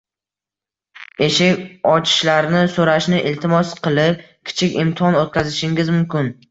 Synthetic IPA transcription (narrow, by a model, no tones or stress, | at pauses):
e̞ʃɪkʲɒt͡ʃʰɪ̥ʃlaɾnɪsoɾaʃnɪʔɪlt̪ʰɪmɒsqʰɨlˠɪp̚ | kʲʰɪ̥t͡ʃʰɪkʲɪmt̪ʰɪɒnot̪̚kʲʰazɪʃɪŋɡʲɪzmʊmkʲɪn